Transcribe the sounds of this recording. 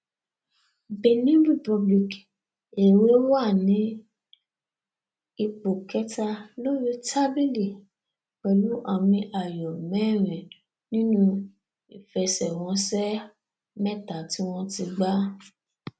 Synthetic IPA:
be˨nĩ˦ɾi˦˨pɔ˧bli˨k | e˨we˦wa˦˨nĩ˨˦ | i˧k͡po˨kɛ˦ta˧lo˦ɾi˦ta˦bi˦li˨ | k͡pɛ˧lu˦ʔa˧mĩ˧ʔa˨jɔ˨mɛ̃˨˦˨ɾ̃ɛ̃˨ | nĩ˦nũ˦ | i˨fɛ˧sɛ˨w̃ɔ̃˧˦sɛ˦ | mɛ̃˦˨ta˨˦ti˦w̃ɔ̃˦ti˧ɡ͡ba˦

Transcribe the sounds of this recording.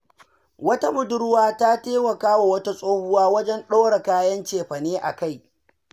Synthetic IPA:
wɐ˦ta˦mʊ˨dʊ˦ɽʊ˦waː˦ta˦teː˦wɐ˨kaː˦wa˨wɐ˦ta˦sʼoː˦hʊ˦waː˦wɐ˦d͡ʒɛ˦nɗoː˦ɽa˨kaː˦jɐ˦nt͡ʃeː˨ɸɐ˨neː˦ʔa̰˨ka˦˨j

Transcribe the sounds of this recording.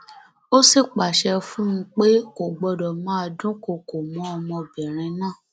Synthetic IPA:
o˦si˦˨k͡pa˨ʃɛ˧fũ˦ũ˧˦k͡pe˦ko˨ɡ͡bɔ˧dɔ˨mãː˦˧dũ˦ko˨ko˨mɔ̃˨˦ɔ˧mɔ̃˧bɛ˨ɾ̃ĩ˧nãː˦˨

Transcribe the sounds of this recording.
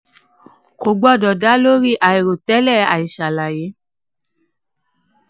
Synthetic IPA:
ko˨ɡ͡bɔ˦˨dɔ˨da˨˦lo˦ɾi˦˨ʔa˨i˨ɾo˨tɛ˦lɛ˦˨a˨i˨ʃa˨la˨je˨˦

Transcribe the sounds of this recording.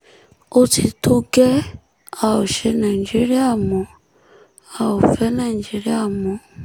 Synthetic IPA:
o˦tʰi˨tʰu˦ɡɛ˦ | a˨o˨ʃɛ˦na˨i˨d͡ʒi˦ɾi˦a˦˨mo˨˦ | a˨o˨fɛ˦na˨i˨nd͡ʒi˨˦ɾi˦a˦˨mo˨˦

